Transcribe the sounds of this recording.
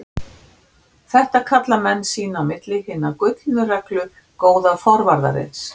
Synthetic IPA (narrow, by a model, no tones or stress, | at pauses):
θɛht̪akʰat̪lamɛnːsiːnaːmɪt̪lɪhɪnːakʏɥk̪nʏrɛklʏ | koːwðafɔɾvaɾða̰ɾɪ̰ns